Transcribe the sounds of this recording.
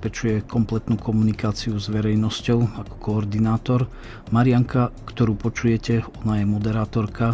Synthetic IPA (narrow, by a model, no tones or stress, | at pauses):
pɛt͡ʃujɛkɔmplɛt̪nuːkɔmunikaːt͡siuzʋɛɾɛjnɔscɔʊakɔ̥kɔːɾd̪inaːt̪ɔɾ | maɾɪaŋkakt̪ɔɾuːpɔt͡ʃujɛcɛɔnajɛmɔd̪ɛɾaːt̪ɔɾka